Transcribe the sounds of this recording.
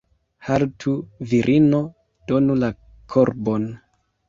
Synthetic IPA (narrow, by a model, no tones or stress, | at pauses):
haltʰuviɾʔino̞ | d̥o̞nula | kʰoɾbo̞n